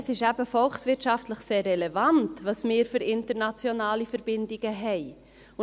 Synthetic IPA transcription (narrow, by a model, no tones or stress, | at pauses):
sɪʃæb̥əfɔlχsvɪtʃɑftləχseːrːɛlɛvɑntvɑːsmɪːɾfyɾɪntəɾnɑt͡sjonɑːlifəɾbɪndɪɡ̥əɦɛɪ | ʊ